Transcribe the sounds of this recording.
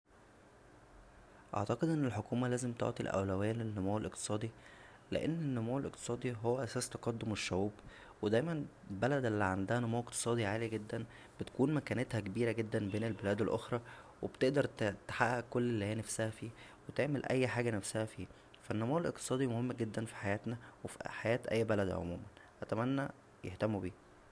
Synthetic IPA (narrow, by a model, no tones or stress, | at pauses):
ʔɑ̰ʕt̪ɑqed̪ʔenːelħokuːmælæːzemt̪o̰ʕt̪ˤḭlʔæ̰wlæwæːlenːomæːwelʔeqt̪e̥sˤɑːd̪ˤi | lḛʔenːenːomæːwelʔḛqt̪e̥sˤɑːd̪ˤiɦowːæʔæsæːst̪ɑ̥qɑd̪ːomeʃːæwuːb | wed̪æjmænbælæd̪ʔelːiʕand̪æhænomæːweqt̪e̥sˤɑːd̪iʕaːliɡed̪ːæn | b̥et̪kuːnmækæːnet̪hækebiːɾæɡed̪ːænbeːnelbelæːd̪elʔo̰xɾˤɑːwebt̪eʔd̪ɑɾˤt̪t̪e̥ħaʔːækːolːelːihiːjænæfsæhæfiːwet̪eʕmelʔæjːħaːɡænæfsæhæfiː | fænːomuːwelʔeqt̪e̥sˤɑːd̪imohemːɡed̪ːænfi̥ħajæːt̪næwefiħajæːt̪ʔæ̰jːbælæd̪ʕo̰muːmænʔæt̪æmænːæ | jeht̪æmːubiː